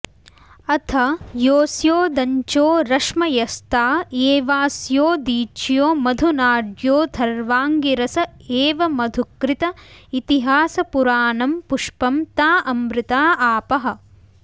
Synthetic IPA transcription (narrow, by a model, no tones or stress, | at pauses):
ɐt̪ʰɐjoːsjoːd̪ɐɲt͡ʃoːɾɐʂmɐjɐst̪aːeːʋaːsjoːd̪iːt͡ʃjoːmɐd̪ʱunaːɖjoːd̪ʰʱɐɾʋaːŋɡiɾɐsɐeːʋɐmɐd̪ʱukɾɪt̪ɐit̪iɦaːsɐpuɾaːnɐmpuʂpɐmt̪aːʔɐmbɾɪt̪aːaːpɐɦɐ̆